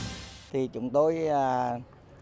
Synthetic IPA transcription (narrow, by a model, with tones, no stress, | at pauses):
t̪ʰi˨˩t͡ɕʊ̰˨˦ŋ͡mt̪o˧jəː˨˩